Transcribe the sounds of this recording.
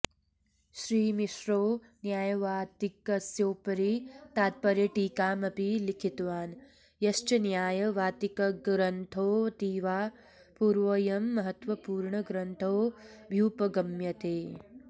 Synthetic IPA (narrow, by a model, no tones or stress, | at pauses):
ʃɾiːmiʃɾoː | njaːjɐʋaːt̪ikɐsjoːpɐɾit̪aːt̪̚pɐɾjɐʈiːkaːmɐpilikʰit̪ʋaːn | jɐʃt͡ʃɐnjaːjɐʋaːt̪ikɐɡɾɐnt̪ʰoːt̪iːʋaː | puːɾʋɐjɐmːɐɦɐt̪ʋɐpuːɾɳɐɡɾɐnt̪ʰoːbʱjuːpɐɡɐmjɐt̪eː